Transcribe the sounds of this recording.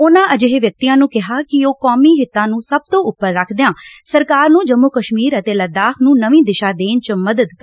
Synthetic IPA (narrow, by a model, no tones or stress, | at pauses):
ʊnãːʔəd͡ʒeɦeʋjək̚t̪iːãːnũːkɪɦaːkɪoːkɔːmiːɦɪt̪ːãːnũːsəb̚t̪õːʔʊpːəɾːəkʰd̪eãːsəɾkaːɾnũːd͡ʒəmːukəʃmiːɾət̪eːləd̪aːkʰnũːnəʋĩːd̪ɪʃaːd̪eːnt͡ʃməd̪əd̪kː